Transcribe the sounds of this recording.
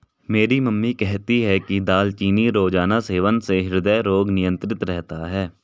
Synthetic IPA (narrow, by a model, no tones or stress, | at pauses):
meːɾiməmːikɛɦt̪iɦɛkid̪aːlt͡ʃiːniɾoːd͡ʒaːnaseːʋənseɦɪɾd̪əjɾoːɡnɪjə̃nt̪ɾɪt̪ɾɛɦt̪aɦɛː